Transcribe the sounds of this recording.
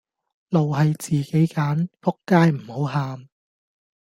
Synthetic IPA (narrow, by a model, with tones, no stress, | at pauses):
lo˨wɦɐ˨jt͡siː˨ke˨˥jkaː˨˥nfʊ˥kːaː˥jm̩˨˩ho˨˥wɦaː˨˧m